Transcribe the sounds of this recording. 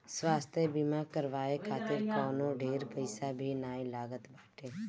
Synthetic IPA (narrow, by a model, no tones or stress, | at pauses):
swaːst̪ʰjebimakəɾʋaːekʰaːt̪ɪɾkɔːnõɖeːɾpəɪsabʱinaːĩlaːɡət̪baːʈeː